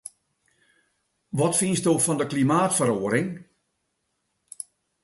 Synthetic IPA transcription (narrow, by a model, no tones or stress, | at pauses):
ʋɔtfinsdoːfɔndəklimaːtfəɾoːəɾɪŋ